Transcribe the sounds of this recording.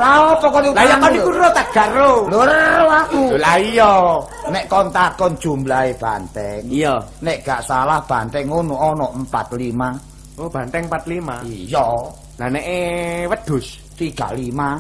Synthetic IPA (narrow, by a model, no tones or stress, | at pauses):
laɔpɔkɔnulaijɔkɔnikuɾot̪aɡ̥a̤ʔroloɾɾoakuolaijɔneʔkɔnt̪akɔnd̥d͡ʒ̥ṳmblaeb̥ant̪ɛŋijɔneʔɡ̥aʔsalahb̥ant̪ɛŋːonuʔɔnɔʔmpa̰t̪lima | ob̥a̤nt̪ɛŋmpat̪limaijɔ | lanɛʔewəd̪̥ʊ̤s | t̪iɡ̥a̤̰ʔlima